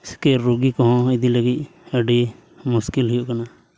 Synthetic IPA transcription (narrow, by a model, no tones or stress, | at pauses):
skɛɾuɡikɔɦɔ̃id̪iləɡic̪̚əɖi | muskilɦijoʔkana